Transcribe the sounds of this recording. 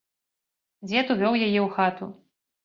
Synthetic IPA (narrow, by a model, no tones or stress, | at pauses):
d͡zʲɛt̪uvʲɔwjajɛwxat̪u